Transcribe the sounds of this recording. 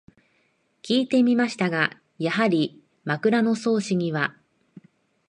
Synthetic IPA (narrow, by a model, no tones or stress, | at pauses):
kʲiːt̪e̞mʲimaɕi̥t̪aɡa | jaɦaɾʲi | makɯ̟ɾano̞so̞ːɕiɲ̟iβa